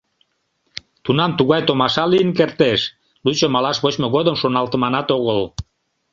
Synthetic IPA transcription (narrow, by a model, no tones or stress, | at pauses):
t̪unɑmt̪uɣɑjt̪omɑʃɑlijənkert̪eʃ | lut͡ɕomɑlɑʃβot͡ɕmoɣod̪əmʃonɑlt̪əmɑnɑt̪oɣəl